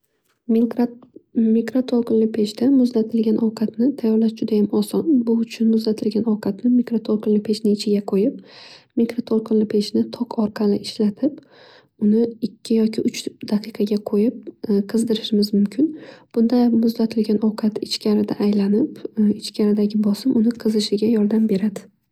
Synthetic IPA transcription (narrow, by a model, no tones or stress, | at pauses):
mikɾot̪ʰolˠqɨnlɪpʰe̞ʃt̪amʊzlat̪ʰɪlɡʲanʔɒwqʰɑt̪nɪt̪ʰajːɒɾlaʃd͡ʒʊd̪ajamɒsɒnbʊʊt͡ʃʰʊnmʊzlat̪ʰɪlɡʲanɒwqʰɑt̪nɪmikɾot̪ʰolˠqʰɨnlɪpʰe̞ʃnɪɪt͡ʃʰɪɡʲaqʰojɪp̚mikɾot̪ʰolˠqʰɨnlɪpʰe̞t͡ʃnɪt̪ʰɒqʰɒɾqʰɑlɪʔɪʃlat̪ʰɪp | ʊnɪɪkʲʰːɪjɒkʲʰɪʔʊt͡ʃd̪̥aqʰɨqʰɑɡʲaqʰojɪp̚qʰɨzd̪ɪɾɪʃɪmɪzmʊmkʲʰɪnb̥ʊnd̪amʊzlat̪ʰɪlɡʲanʔɒwqʰɑt̪ɪt͡ʃkʲaɾɪd̪aʔːjlanɪpɪt͡ʃkʲʰaɾɪd̪aɡʲɪbɒsɪmʔʊnɪqʰɨzɨʃɪɡʲajɒɾd̪ambe̞ɾad̪ɪ